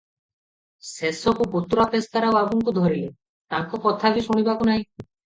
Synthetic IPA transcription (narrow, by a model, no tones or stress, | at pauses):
sesɔkupot̪ɾapest̪aɾawabuŋkud̪ʱɔɾile | t̪aŋkɔkɔt̪ʰabisuɽ̃ibakunaɦĩ